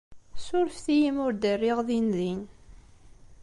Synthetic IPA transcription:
sʊɾfθijimʊɾd̪ərːiʁðinðin

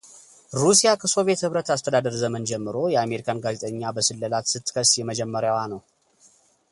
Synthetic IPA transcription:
ɾusijakʰəso̞vje̞t̪hɨβɾət̪ast̪ʰəd̪ad̪əɾzəmənd͡ʒɛmːɨɾo̞jɛame̞ɾikʰanɡaze̞t̪ʼəɲːabəsɨlːəlat̪sɨt̪ːkʰəsjɛməd͡ʒɛmːəɾjawanəw

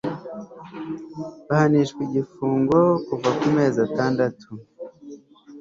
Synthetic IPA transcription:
βahaniʃkwiɟifuːŋɡo̞kuvakume̞ːzataːndatʰu

